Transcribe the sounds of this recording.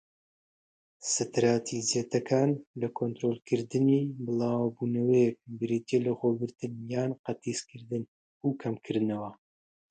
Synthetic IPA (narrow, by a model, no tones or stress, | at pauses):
sɨt̪ɾaːt̪ʰizijet̪ɐkʰaːnlɐkʰont̪ɾoːlkʰɨɾd̪ɨniːbɨlˠaːwbuːnɐwɐjɛk̚bɨɾit̪elɐxoːbɨɾt̪ɨnjaːnqɐt̪iskʰɨɾd̪ɨn | ukʰɐmkʰɨɾnɐwɐ